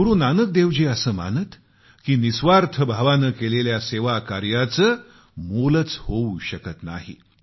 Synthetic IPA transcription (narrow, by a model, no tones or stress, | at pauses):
uɾuːnanək̚d̪eʋd͡ʑeːəsəːma̰nət̪ | kiːnisʋaɾt̪ʰəbʱaʋanəːkeleljaseʋakaɾjat͡səː | molət͡shouɕəkət̪na̰ɦḭ